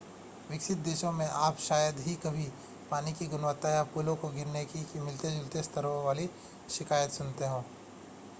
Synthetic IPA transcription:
ʋɪkʃɪt̪̚d̪eːʃõmẽʔaːpʃaːjəd̪ɦikɐbʱi | paːnikiɡʊnʋət̪ːajapuːlõkoɡɪɾnekikimɪlt̪ed͡ʒʊlt̪est̪ʰəɾõʋaːli | ʃɪkaːjət̪sʊnt̪eɦõː

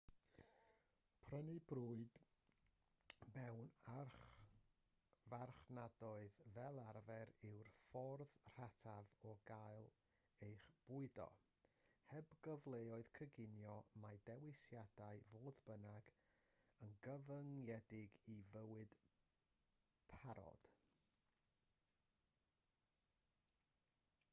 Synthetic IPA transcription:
pʰrənɨbruɨd̥ | mɛwnarχ | varχnadɔɨðvɛlˠarvɛɾɪwrfɔrðr̥atʰavɔɡaɨlˠ | ejχb̥uɨdɔ̰ | hɛbɡɔvlˠejɔɨð̥kʰəɡɪnjɔmajdɛwɨsjadaɨvoːðbənaɡ | ənɡəvəŋjɛdɪɡivəwɨd̥ | pʰaɾɔ̰d̥

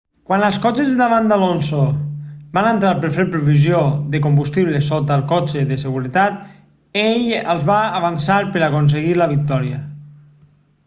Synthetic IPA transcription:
kwanəlˠskɔt͡ʃezðəðaβand̪alonsobanənt̪ɾaɾpəɾfeɾpɾuβizjoðəkombust̪iβ̞ləsot̪əlˠkɔt͡ʃeðəsəɣuɾət̪at̪ | eʎəlˠzβaːβansaɾpəɾakons̬eɣiləβ̞ik̚t̪ɔɾiə

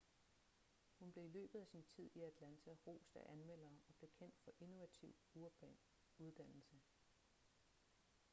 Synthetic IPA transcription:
hunb̥le̝ilø̰ːb̥ð̩ˠæsint͡sʰið̞̰ˠiæd̥lænt͡sʰæʁo̝̰ːsd̥æʔænmel̰ɐːɒ̽b̥le̝kʰen̰d̥fɒ̽ʔeno̝ʋæt͡sʰiʊ̰uɐb̥ɛ | uð̞ˠd̥æn̰l̩sə

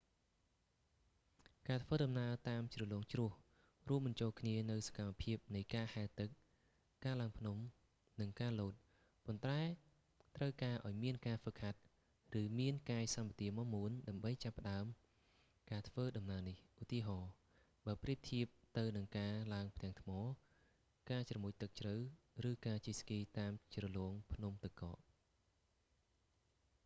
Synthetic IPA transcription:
kaːt̪ʰʋəːɗɑmnaət̪aːmt͡ɕrɨəlɔːŋt͡ɕrʊ̆əh | ruəmɓɑnt͡ɕoːlkʰniənɨwsḁkamːapʰiəp̚nɨjkaːhaɛt̪ɨk̚ː | aːlaəŋpʰnum | nɨŋkaːloːt̪̚ | pont̪aɛ | t̪rəwkaːʔa̰ɔjmiənkaːfəkʰːat̪̚ | rɨːmiənkaːjsampat̪iəmɔmuənɗaəmɓəjt͡ɕapːə̆ɗaəm | kaːt̪ʰʋəːɗɑmnaənihʔut̪iəɦɑː | ɓaəpriət̪pʰiəp̚t̪ɨwnɨŋkaːlaəŋpʰt̪ɛ̆əŋt̪ʰmɑː | kaːt͡ɕrɑmuːc̚t̪ɨk̚t͡ɕrəw | rɨːkaːt͡ɕiːskiːt̪aːmt͡ɕrɑlɔəŋpʰnumt̪ɨkːɑ̰ːʔ

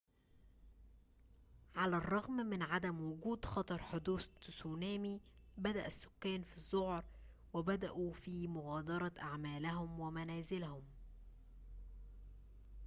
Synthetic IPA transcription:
ʕalærˤːɑɣmmɪnʕad̪æmwʊɡuːd̪xɑt̪ˤɑɾˤħod̪uːθsuːnæːmi | bæd̪æʔæsːʊ̥kːæːnfizˤːohɾˤ | wɪbæd̪æʔufiːmʊɣæːd̪ɑɾˤɑʔaʕmæːlæɦʊmwæmænæːzɪlæhʊm

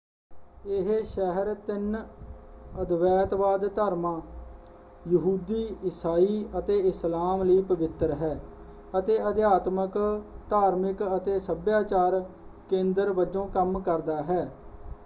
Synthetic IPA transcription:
ɪɦʃɛɦəɾt̪ɪn | əd̪ʋɛːt̪ʋaːd̪t̪aːɾmãː | jəɦuːd̪iːɪsaːiːət̪eːɪslaːmləiːpəʋɪt̪ɾɦɛː | ət̪eːəd̪jaːt̪məkt̪aːɾmɪkət̪eːsəbjaːt͡ʃaːɾ | kẽːnd̪əɾʋəd͡ʒõːkəmkəɾd̪aːɦɛː

